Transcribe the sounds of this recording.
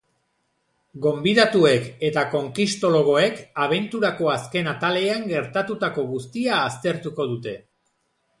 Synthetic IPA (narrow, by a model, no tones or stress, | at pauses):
ɡo̞mbiðat̪ue̞ke̞t̪ako̞ŋkist̪o̞lo̞ɣ̞o̞e̞kaβ̞e̞nt̪uɾako̞aske̞nat̪ale̞aŋɡe̞ɾt̪at̪ut̪ako̞ɣust̪iaːst̪e̞ɾt̪uko̞ð̞ut̪e̞